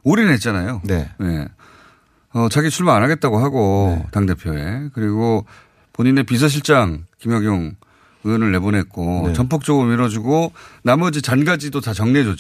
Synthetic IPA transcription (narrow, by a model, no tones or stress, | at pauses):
oɾinɦet̚t͡ɕ͈anajon̰ne̞ | ʌt͡ɕaɡit͡ɕʰuɭmaanɦaɡe̞t̚t͈aɡoɦaɡotaŋde̞pʰjoe̞̰kɯɾiɡo | poɲine̞pis̬ʰʌɕ̬ʰiɭt͡ɕ͈aŋkimjʌŋjoŋ | ɯnɯɭːe̞bonɦe̞t̚k͈ot͡ɕʌmpʰok̚t͡ɕ͈ʌɡɯɾoiɾʌd͡ʑuɡonamʌd͡ʑit͡ɕanɡad͡ʑidotat͡ɕʌŋned͡ʑo